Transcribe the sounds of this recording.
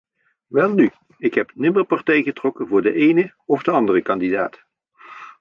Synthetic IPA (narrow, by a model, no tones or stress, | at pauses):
ʋɛlˠny | ɪkɦɛpnɪməɹpɑɹtɛjχətrɔkənvʊːɹdəʔejnə | ɔfdəɑndərəkɑndida̰ːt